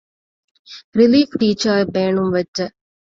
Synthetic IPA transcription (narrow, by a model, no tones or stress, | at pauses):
ɾɪliːfʈiːt͡ʃɐɾʋeːɳumʋɐtːɐ